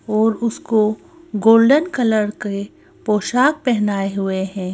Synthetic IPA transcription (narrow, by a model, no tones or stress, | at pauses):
ɔːɾʊsko | ɡoːlɖənkɐləɾke | poːʃaːk̚pɛɦnaːeɦʊeɦɛ̃ː